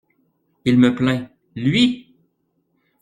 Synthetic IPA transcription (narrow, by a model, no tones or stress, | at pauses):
ilməplɛ̃ | lɥi